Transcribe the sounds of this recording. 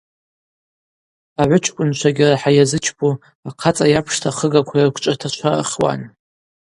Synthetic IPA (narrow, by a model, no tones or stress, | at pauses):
aʕʷʊt͡ʃʰkʷʼʊnt͡ʃʷʰaɡʲɪraħajazɨt͡ʃʰbʰu | aqʰat͡sʼajapʰʂtʰaχəɡakʷʰarkʷʰʼt͡ʃʼatʰat͡ʃʷʰar̰χʲwa̰n